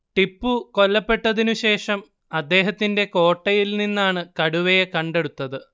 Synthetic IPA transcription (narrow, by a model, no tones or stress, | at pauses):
ʈipːuko̞lːɐpːe̞ʈːɐðinuɕe̞ːʂɐm | ɐd̪ːe̞ːɦɐt̪ːinde̞ko̞ːʈːɐjilninːaːɳɨkɐɽuʋejekɐɳɖe̞ɽut̪ːɐðɨ